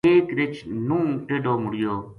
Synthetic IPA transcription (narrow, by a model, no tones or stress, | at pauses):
eːkɾɪt͡ʃnũːʈeːɖoːmʊɽɪjoː